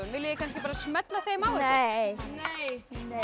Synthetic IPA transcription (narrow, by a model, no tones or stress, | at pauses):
ʏnvɪljjɛkʰans̬cɪpaːɾasmɛt̪laθejmawvejjnjne